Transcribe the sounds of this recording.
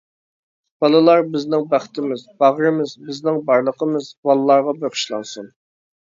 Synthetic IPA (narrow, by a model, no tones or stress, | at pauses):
b̥ɑlˠɨlˠɑɾbɪznɪŋbæχt̪ʰɪmɪzbɑʁɾɨmɪzbɪznɪŋbɑɾlˠəqʰəmɨzwɑlˠlːˠɑɾʁɑbøχʰʊ̥ʃlˠɑ̰nsun